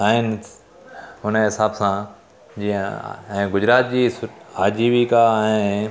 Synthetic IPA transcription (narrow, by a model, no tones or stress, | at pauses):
aːɦɪnɪ | ɦʊnɦɪsaːbsã | d͡ʑiːə̰̃ɛ̃ːɡʊd͡ʑɾaːt̪̚d͡ʑiːsʊaːd͡ʑiːʋikaːɦɪ̃n